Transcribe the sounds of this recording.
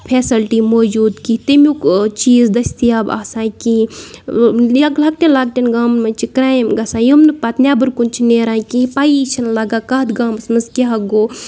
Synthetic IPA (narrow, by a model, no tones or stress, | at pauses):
pʰeːsɐlʈimoːd͡ʒuːd̪kit̪imʲukt͡ʃiːzd̪ɐsʲt̪ijaːba̰ːsãːki | ɐklaːk̚ʈʲenlaːk̚ʈʲinɡaːmnmɐnt͡ʃikɾaːjmɡɐsãːjumnɨpɐt̪nʲjaːbɨɾkunt͡ʃʰineːɾãːkĩpajit͡ʃʰɐnlɐɡaːkɐɦd̪ɡaːmsmɐnzkʲeɦɐɡoː